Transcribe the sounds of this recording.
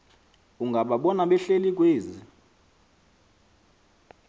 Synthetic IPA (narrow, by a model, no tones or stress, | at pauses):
uŋɡʱaɓaɓɔnaɓɛɬelik̬ʼweːzi